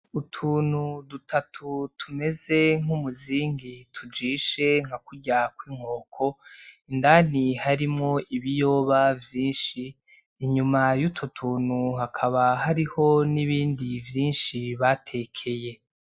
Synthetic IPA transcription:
utʰuːnudutʰatʰutʰume̞ze̞ŋ̥umuziːŋɡitʰud͡ʒiːʃe̞ŋ̥hakuɟakwiːŋ̥oːkʰo̞indaːn̥ihaɾimŋo̞ʔiβijo̞ːβavjiːnʃiː | ɲumajutʰutʰuːnuhakʰaβahaɾiho̞niβiːndivjiːnʃiβatʰe̞kʰe̞je̞

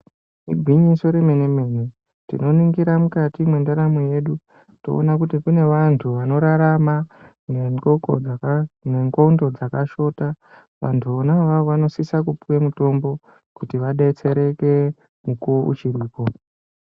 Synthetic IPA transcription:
ibʱwiɲiso̞ɾeme̞neme̞ːni | tḭno̞niŋɡiɾamukatimwe̞ndaɾamoje̞ɗu | to̞̰o̰nakutikune̞ʋantʰuʋano̞ɾaɾama | e | neŋɡoundo̞d͡zakaʃo̞ːta | ʋa̰ntʰuonaʋaoʋano̞sisakupuwemuto̞mbo̞ | kutiʋaɗait͡se̞ɾe̞ke̞ | mukuoṵt͡ʃiriːpo̞

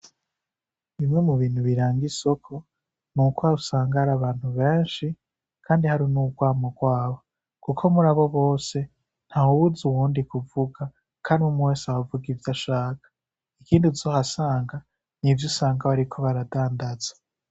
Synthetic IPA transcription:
βimŋe̞muβiːn̥huβiɾaːŋɡiso̞kʰo̞ | nukwaɾusaːŋɡaɾaβaːn̥huβe̞ːnʃi | kʰaːndihaɾinuːɡwaːmoɡwaːβo̞ | kukʰo̞muɾaβo̞βo̞ːse̞ | n̥hahuwuzuwuːndikuvuɡa | kʰaːɾimumweːsawavuɡivjaʃaːkḁ | ikiːndizo̞ːhasaːŋɡa | nivjusaːŋɡaβaɾikʰo̞βaɾadaːndaz̥ḁ

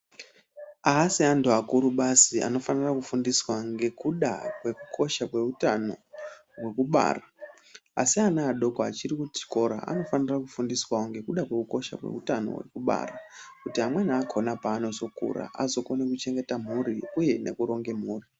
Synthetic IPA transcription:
aɦːsiantuakuɾuɓasiʔa̰no̞fanirakufundiswaŋɡe̞kuɗa̰kwe̞kukʰo̞ʃapwe̞utano | we̞kuɓa̰ːra | a̰sianaːɗo̞koa̰t͡ʃirikuti̥ko̞ɾa̰ʔa̰no̞fanirakufundiswaoŋɡe̞kuɗakwe̞kuko̞ʃa̰pwe̞̰utano̞̰we̞̰kuɓa̰rakutiamweniːkʰo̞napaːno̞zo̞kṵɾa̰ʔa̰zo̞ko̞nekut͡ʃe̞ŋɡe̞tam̤uɾiuje̞ne̞̰kuɾo̞ŋɡe̞m̤uːri

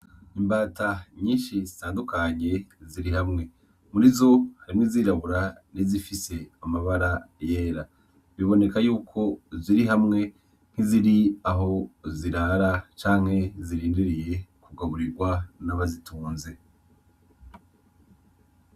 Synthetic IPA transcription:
imbaːtaɲiːnʃizitaːndukʰaɲe̞ziɾiɦamŋe̞ | muɾizo̞haɾimŋiziːɾaβuɾanizifise̞amaβaɾaje̞ːɾa | βiβo̞ne̞kajuːkʰo̞ziɾiɦamŋe̞ | n̥hiziɾiaɦo̞ziɾaɾat͡ʃaːŋ̥he̞ziɾiːndiɾije̞kuɡaβuɾiɾɡwanaβazituːnze̞

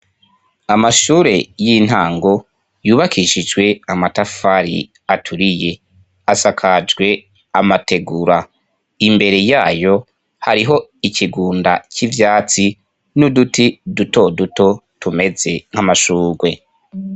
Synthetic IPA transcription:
amaʃuːɾe̞jin̥haːŋɡo̞ | juːβakʰiʃid͡ʒwe̞amatafaɾḭ | atʰuɾije̞ | asakʰad͡ʒɡwe̞ | amate̞ɡuɾa | imbe̞ɾe̞jaːjo̞ | haɾiɦo̞iciɡuːndacivjaːt͡si | nudutiduto̞duto̞tume̞ze̞ŋ̥hamaʃuːɡwe̞

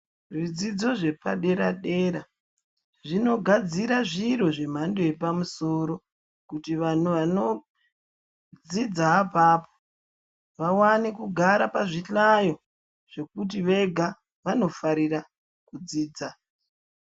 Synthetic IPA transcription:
ʐid͡zid͡zo̞ʐe̞pa̰ɗe̞ɾaɗe̞ːɾa | ʐino̞ɡʱad͡ziɾaʐiɾo̞ʐe̞m̤andoe̞pamuso̞ɾo̞ | kutiʋan̤uʋano̞ | d͡zid͡zaːpaːpo̥ | ʋawanikuɡʱaɾapaʐiɬajo̞ | ʐ̥e̞kut̬iʋe̞ɡʱa | ʋano̞faɾiɾa | kud͡ziːd͡za

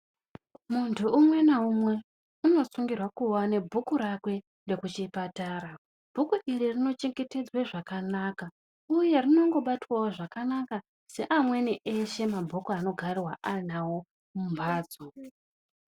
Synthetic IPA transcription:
muntʰuːmwe̞naumwe̞ | uno̞suŋɡirwakuwane̞bʱukuɾakwe̞ | nde̞kut͡ʃipataːɾa | bʱukuʔiririno̞t͡ʃeŋɡe̞te̞d͡zweʐakanaka | uje̞rino̞ŋɡo̞ɓatwawoʐakanaka | se̞ʔamwe̞niʔeʃe̞mabʱokoano̞ɡʱariwa̰ʔarinawo̞ | mumbaːd͡zo

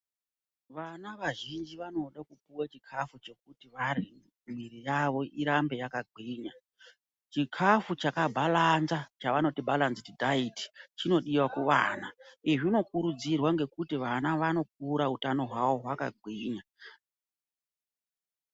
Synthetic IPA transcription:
ʋanaʋaʒind͡ʒiʋano̞ɗakupuwat͡ʃikʰafut͡ʃe̞k̚utiʋaɾi | miɾijaʋo̞ʔiɾambe̞jakaɡʱiːɲa | t͡ʃikʰafut͡ʃakabʱalanzat͡ʃaʋano̞tibʱalanztidʱaiti̥t͡ʃino̞ɗiwakuʋaːnaiʐino̞kuɾud͡zirwaŋɡe̞kutiʋanaʋano̞k̚uɾautano̞ɦwawo̞ɦwaka̰ɡʱwiːɲa

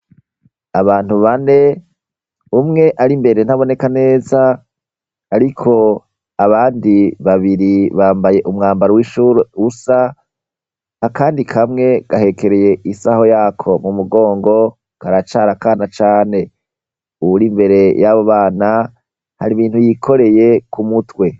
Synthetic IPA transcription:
aβaːn̥huβane̞ | umŋe̞ʔaɾimbe̞ɾe̞nhaβo̞ne̞kane̞ːzaː | ɾikʰo̞ | aβaːndiβaβiɾiβaːmbaje̞ʔumŋaːmbaɾowiʃuɾeusa | kaːndikʰamŋe̞ɡ̥ahe̞ke̞ɾeje̞ʔisaho̞jaːkʰo̞mumuɡo̞ːŋɡo̞ | kaɾat͡ʃaɾakaːnat͡ʃaːne̞ | uuɾimbe̞ɾe̞jaβoβaːna | ha̰ɾiβiːnhujikʰo̞ɾe̞je̞kumutwe̞

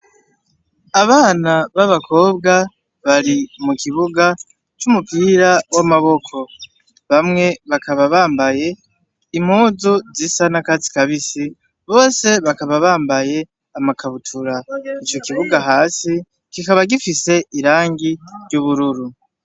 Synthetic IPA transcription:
aβaːnaβaβakʰo̞ːbɡa | βaɾimukiβuɡa | t͡ʃumupiɾawamaβo̞kʰo̞ | βamŋe̞βakʰaβaβaːmbaje̞ | im̥huːzuzisanakazi̥kaβisi | βo̞ːse̞βakaβaβaːmbaje̞ | amakʰaβutʰuɾait͡ʃo̞kiβuɡaɦaːsi | kikaβaɡifise̞ʔiɾaːŋɡiɾɟuβuɾuɾu

